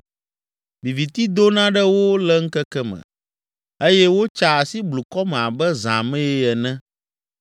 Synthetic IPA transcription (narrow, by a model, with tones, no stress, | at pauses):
vi˨vi˨t̪i˦d̪o˦nã˦ɖɛ˦wo˦lɛ˦ŋ̩˦kɛ˦kɛ˦mɛ̰̃˨ | e˦jɛ˦wo˦t͡ʃa˨si˦blu˨kɔ˦mɛ̃˨a˨bɛ˦zã̰˨mɛ̃˦jɛ˦ɛ˨nɛ̃˦